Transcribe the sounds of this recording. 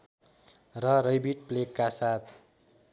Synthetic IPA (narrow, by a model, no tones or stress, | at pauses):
rʌrʌjbiʈ̚plekːasat̪ʰ